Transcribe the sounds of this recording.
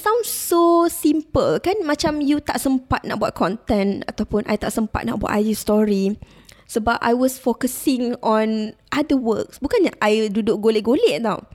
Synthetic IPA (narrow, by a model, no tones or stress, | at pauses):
sãw̃nsosimpəlkanmãt͡ʃamjut̪aʔsəmpat̪̚na̰ʔbua̰t̪̚kʰɔ̃nt̪ɛ̃nat̪awpʊnʔa̰jt̪aʔsəmpa̰t̪̚na̰ʔbua̰ʔ̪ajust̪ɔɹi | səbap̚ʔa̰jwɔsfokəsĩŋɔ̃nʔadəwəksbukanɲaʔajdudʊʔ̚ɡoleʔɡoleʔ̚daw